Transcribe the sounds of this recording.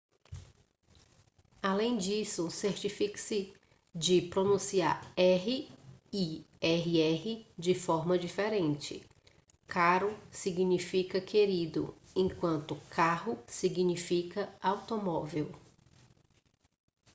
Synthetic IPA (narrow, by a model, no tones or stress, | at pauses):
alẽj̃d͡ʒisʊseɾt͡ʃifiksɪ | d͡ʒɪpɾonũsia̰ɾɛɦɪi | ɛɦɪɛɦɪd͡ʒɪfɔɾmɐd͡ʒifeɾẽnt͡ʃɪ̰ | kaɾʊsiɡnifikɐkʰeɾid̪ʊ̰ | ẽkwɐ̃nt̪ʊkaɦʊsiɡnifikɐawt̪omɔvew